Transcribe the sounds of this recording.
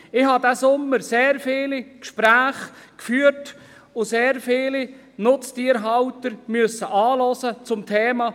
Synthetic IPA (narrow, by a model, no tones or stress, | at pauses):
ɪhɑdæsʊmːəɾseːɾfɪːlikʃpɾæːχkfyːəɾt | ʊseːɾfɪːli | nʊt͡stiːəɾɦɑwtəɾmʏəsːəʔɑːlɔsət͡sʊmtʰeːmɑ